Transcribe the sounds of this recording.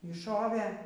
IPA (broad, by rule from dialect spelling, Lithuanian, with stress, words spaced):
iː ˈʃoːʋʲeː